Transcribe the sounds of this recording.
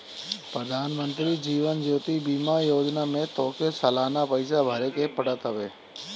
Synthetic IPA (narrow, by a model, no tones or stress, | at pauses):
pɾəd̪ʱaːnmə̃nt̪ɾid͡ʒiːʋənd͡ʒoːt̪ibiːmajoːd͡ʒnamẽt̪ɔːkesəlaːnapəɪsabʱɐɾekepɐɽət̪ɦɐʋeː